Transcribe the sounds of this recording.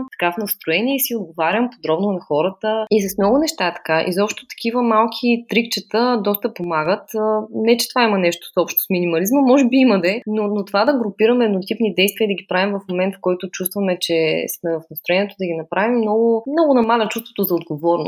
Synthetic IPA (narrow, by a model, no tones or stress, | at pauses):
t̪ɐ̥kafnɐst̪ɾoɛniɛisiod̪̚ɡovaɾʲəmpod̪ɾɔbnonɐxɔɾət̪əisɐsmnɔɡʊnɛʃt̪aɛt̪ɐ̥kaʔḭzɔpʃt̪o̥t̪ɐ̥kʲivəmalˠkʰit̪ɾikt͡ʃət̪əd̪ɔst̪əpomaɡət̪ːnɛt͡ʃɛ̥t̪ovaimɐnɛʃt̪o̥sɔpʃt̪o̥sminimɐlizməmɔʒɛbiimɐd̪ɛnonot̪ovad̪ɐɡɾʊpiɾəmɛɛd̪not̪ipnid̪ɛjst̪vʲiəid̪ɐɡʲipɾavimvɐfmomɛnt̪fkɔjt̪ʊt͡ʃust̪vəmɛt͡ʃɛsmɛvɐfnɐst̪ɾoʊɛniɛt̪od̪ɐɡinɐpɾavimːnɔɡʊmnɔɡʊnɐmalɐt͡ʃust̪vo̥t̪ozɐod̪ɡovɔɾnʊ̰s